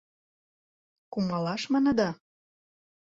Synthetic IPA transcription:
kumɑlɑʃmənə̆d̪ɑ

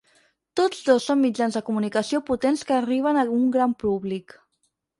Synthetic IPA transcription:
t̪od͡zðosomːid͡ʒanzðəkumunikəsioput̪enskəːriβ̞ənəuŋɡɾampuβlik

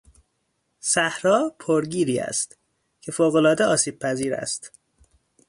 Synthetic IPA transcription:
sæhɾɒːpʰoɾɟiːɾiːæ̰st̪ | cʰe̞foːɣo̞lɒːd̪eɒːsiːb̥̚pʰæziːɾæ̰st̪

